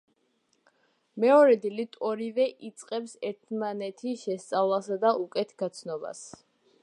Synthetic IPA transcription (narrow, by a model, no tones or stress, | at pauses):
mɛɔɾɛd̪ilit̪ʰɔɾivɛʔit̪sʼqʼɛpsɛɾt̪ʰmanɛt̪ʰiʃɛst̪sʼavlˠasad̪aʔukʼɛt̪ʰɡat̪sʰnɔba̰s